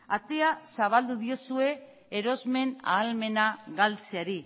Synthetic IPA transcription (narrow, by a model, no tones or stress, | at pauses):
at̪easaβ̞ald̪uðio̞sue̞ː | ɾo̞zme̞na̰ːlme̞naɣalt͡seaɾi